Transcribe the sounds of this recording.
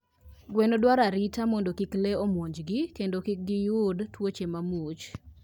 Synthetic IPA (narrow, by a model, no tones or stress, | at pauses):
ɡwɛnodwaɾaɾitamɔndokikleomwoɲd͡ʒɡɪkendokɪk̚ɡɪjʊdtwot͡ʃemamut͡ʃ